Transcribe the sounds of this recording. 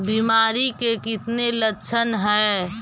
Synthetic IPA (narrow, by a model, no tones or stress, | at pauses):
biːmaːɾikekɪt̪nelət͡ʃʰənɦɛː